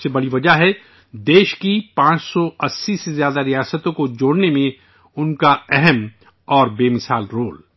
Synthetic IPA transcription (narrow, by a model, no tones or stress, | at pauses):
sebɐɽiʋɐd͡ʒaɦɛ | d̪eːʃkipãːt͡ʃsɔɐsːisezjaːd̪aɾijaːsət̪õkod͡ʒoːɽnemẽ | ʊnkaɛɦɛm | ɔːɾbeːmɪsaːlɾoːl